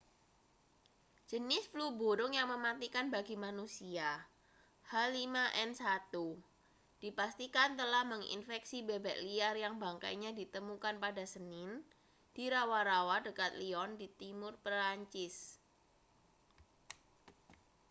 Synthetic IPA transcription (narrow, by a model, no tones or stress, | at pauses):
d͡ʒ̥ənɪsplubuɾʊŋjaŋməmat̪ikanbaɡimanusia | halimaʔɛnsat̪u | d̥ipast̪ikant̪əlahməŋḭnfɛksibebɛʔliarjaŋbaŋka̰jɲadit̪əmukanpadasənɪn | d̥iɾawaɾawadəkat̪̚liɔndit̪imʊrpəɾaɲt͡ʃɪs